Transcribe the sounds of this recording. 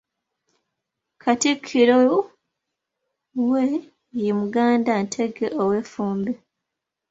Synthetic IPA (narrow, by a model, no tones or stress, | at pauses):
kʰatikʰːiɾo | we | jemuɡaːndantʰe̞ɡe̞ʔowe̞ːfuːmbe